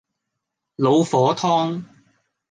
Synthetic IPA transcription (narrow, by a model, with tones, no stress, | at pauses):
lo˨˧wfɔː˨˥t̪ʰɔː˥ŋ